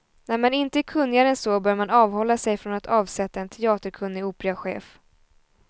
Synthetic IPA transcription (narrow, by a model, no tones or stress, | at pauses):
næɾmanɪnt̪əkʰɵnːɪaɾənsɔbœːɾmanɑːvhɔlːasɛjfɾɔnat̪ʰɑːvsɛt̪ːaɛnt̪ʰɛɑːt̪əɾkʰɵnːɪuːpɛɾaɧḛːf